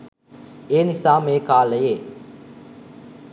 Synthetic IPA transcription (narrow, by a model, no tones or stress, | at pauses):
eːnɪsaːmeːkaːlɐjeː